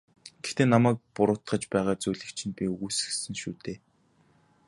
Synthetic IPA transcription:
ɡ̥ext̪eːnamæːk̚pʊɾʊːt̪χə̆t͡ɕpæːʁaːt͡sujɮɘ̆kt͡ɕʰɪ̆npʲiɵɣuːsɘ̆xsɘ̆ŋʃuːt̪eː

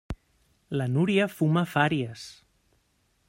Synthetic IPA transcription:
lənuɾiəfumafaɾiəs

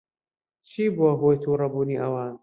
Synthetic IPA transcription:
t͡ʃʰiːbuwɐɦoːjt̪ʰuːɾɐbuːniʔɐwaːn

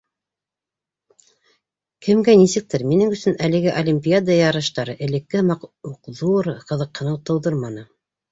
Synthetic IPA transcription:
kɘ̆mɡænisɘ̆k̚t̪ɘɾminɘŋɵ̆sɵnælɘ̆ɡɘʔolʲimʲpʲiad̪əjɑɾɤ̆ʃt̪ɑɾɤʔɘ̆lɘ̆kːɘhmɑquqðuɾqɤ̆ðɤ̆qʰːɤ̆nɤwt̪ɤ̆wðɤɾmɑnɤ

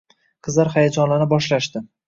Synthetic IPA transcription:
qʰɨzlaɾχajad͡ʒɒnlanɪbɒʃlaʃt̪ɪ

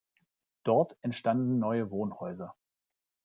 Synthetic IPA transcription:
d̥ɔɐtɛntʃtandn̩nɔʏəvoːnhɔʏzɐ

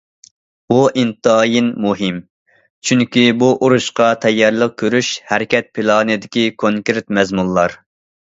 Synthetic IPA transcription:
b̥uʔint̪ɨɑjinmuɦɪm | t͡ʃʰyŋkʲibuʔoɾuʃqɑt̪ʰɛjːɑɾlˠəq̚kʲʰøɾyʃhɛɾɪkʲʰɛt̪̚pʰɨlˠɑːnɨd̪ɪkʲikʰoŋkʲɾɪt̪mɛzmunˠlːˠɑɾ

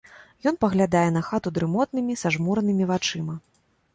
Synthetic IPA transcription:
jɔn̪pɐɣlʲad̪ajɛn̪ɐxat̪ud̪ɾɨmɔt̪̚nɨmʲisaʐmuɾɐnɨmʲivat͡ʂɨmɐ

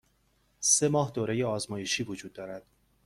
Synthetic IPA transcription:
semɒːɦd̪oːɾe̞jeɒːzmɒːjeʃiːvod͡ʒuːd̪̥̚ːɒːɾæd̪̥

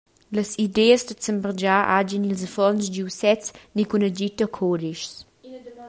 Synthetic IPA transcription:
ləsid̪eəzd̪ət͡səmbəɾd͡ʒaʔa̰d͡ʒinilzəfɔnsdiwsɛt͡snikunəd͡ʒit̪əkʰɔdiʃs

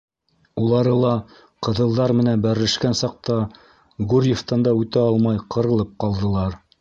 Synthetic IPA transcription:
ulˠɑɾɤlˠɑ | qɤ̆ðɤ̆lˠd̪ɑɾmɘ̆nænbæɾɘ̆lɘ̆ʃkænsɑq̚t̪ɑ | ɡʉɾʲjeft̪ɑnd̪ɑʉt̪æɑlˠmɑjqɤ̆ɾɤ̆lˠɤp̚qɑlˠd̪ɤ̆lˠɑɾ

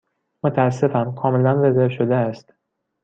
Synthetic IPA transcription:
mot̪ʰæːs̬ːe̞fæmkʰɒːme̞lænvezeɾʃod̪eæst̪

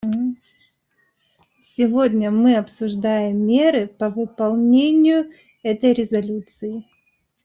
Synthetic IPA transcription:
sʲɪvodʲnʲəmɨɐpsʊʐd̪ajɪmːʲe̞ɾɨpəvɨpɐlˠnʲenʲɪjʊ | ɛt̪əjɾʲɪzɐlʲut̪sɨɪ

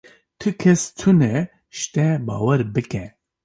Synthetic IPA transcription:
t̪ʰɨkʰɛst̪ʰunɛ | ʃt̪ɛbɑ̰ːwɛɾbɨkɛ

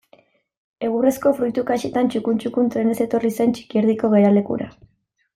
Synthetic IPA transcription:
e̞ɣuresko̞fɾujt̪ukaʃet̪ant͡ʃukunt͡ʃukunt̪ɾe̞ne̞se̞t̪o̞rise̞nt͡ʃi̥kieɾðiko̞ɣe̞ɾale̞kṵɾa̰

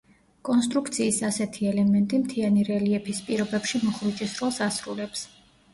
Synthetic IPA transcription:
kʼɔnst̪ʼɾukʰt̪sʰiːsasɛt̪ʰiɛlɛmɛnt̪ʼimt̪ʰianiɾɛliɛpʰispʼiɾɔbɛpʃimɔχɾit͡ʃʼisɾɔlˠsasɾulɛps

